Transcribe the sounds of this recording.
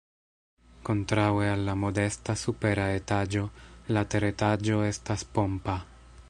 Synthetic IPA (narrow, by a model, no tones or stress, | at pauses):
ko̞ntɾawealːamo̞de̞stasupe̞ɾae̞tad͡ʒo̞late̞ɾetad͡ʒo̞e̞staspo̞mpa